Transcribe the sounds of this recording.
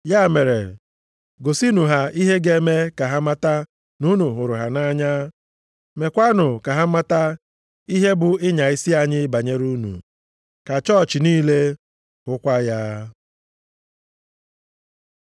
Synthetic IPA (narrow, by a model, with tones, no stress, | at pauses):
ja˦˨me˨ɾḛ˨ | ɡo˨si˦nu˨ɦa˨i˦ɦe˦ɡe˦me˦ka˨ɦa˦ma˦ta˦ | nu˦nu˨ɦʊ˨ɾʊ˨ɦa˨na˦ɲa˦ | me˨kʷa˦nʊ˨ka˨ɦa˦ma˦ta˦ | i˦ɦe˦bʊ˨ɪ˦ɲa˨ɪ˦si˦a˨ɲɪ˦ba˨ɲe˦ɾu˦nṵ˨ | ka˨t͡ʃɔ˦˨t͡ʃɪ˨niː˦le˦ | hʊ˦kʷa˦jaː˦